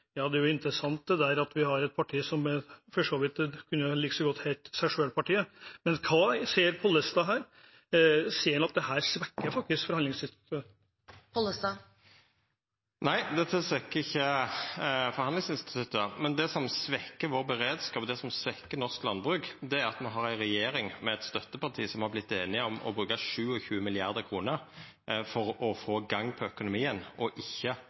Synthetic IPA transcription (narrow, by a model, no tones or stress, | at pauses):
jɑːd̪ɛæɾjʊɪnt̪ɾəsɑnt̪̚d̪ɛd̪æːɾɑt̪ʋɪhɑɾɛt̪̚pʰɑʈʰiːsɔmfɔʂoːʋɪt̪kʰʉnːəlɪkəsɔɡɔt̪ːhɛɪlt̪sæɪʂøːlpʰɑʈʰiːəmɛnkʰɑːseːɾpʰɔlːəst̪ɑːɦæːɾ | siːɛnɑt̪̚d̪ɛhæːɾsʋɛkːəɾfɑk̚t̪ɪskfɔɾhɑnɪŋsɪnst̪t̪ʰə | pʰɔlːəst̪ɑ | næɪd̪ɛt̪ʰːəsʋɛkːəɪçːə | fɔɾhɑnd̪ɪŋsɪnst̪ɪ̥t̪ʰʉt̪ːəmɛnd̪ɛsɔmsʋɛkːəɾʋoːɾbəʁeːd̪skɑːpd̪ɛsɔmsʋɛkːənɔʁsklɑnbʁʉːkd̪ɛæɾɑt̪mɛnɦɑɾæɪʁɛjeːɾɪŋmɛɛt̪st̪œt̪ːəpɑʁt̪ʰiːsɔmhɑblɪt̪ːeːnɪɔmɔ̰bɾʉːkɑʂʉːɔçʉːmɪlɪɑʁd̪əkʰɾuːnəɾ | fɔɾɔfoːɡɑŋːpʰɔœkʊnʊmiːənɔʔɪçːə